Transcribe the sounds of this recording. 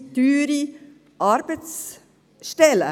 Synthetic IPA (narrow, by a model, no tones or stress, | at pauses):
d̪̥yːɾi | ʔɑɾbət̪s | ʃtɛlə